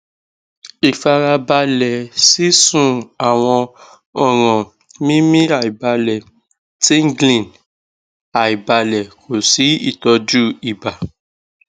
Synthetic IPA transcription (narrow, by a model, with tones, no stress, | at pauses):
i˨fa˧ɾa˧ba˧lɛ˨si˦sũ˦˨a˨w̃ɔ̃˧ | ɔ˦˨ɾ̃ɔ̃˨ | mĩ˦mĩ˦a˨i˨ba˧lɛ˨ | ti˦ŋ˦ɡlĩ˨n | a˨i˨ba˧lɛ˨kʰo˨si˨˦ḭ˦˨tɔ˧d͡ʒu˦i˨ba˨